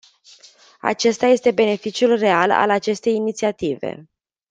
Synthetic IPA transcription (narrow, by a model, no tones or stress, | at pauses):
a̰t͡ʃe̞st̪aje̞st̪e̞be̞ne̞fit͡ʃiulre̞ala̰lat͡ʃe̞st̪e̞jinit̪siat̪ivḛ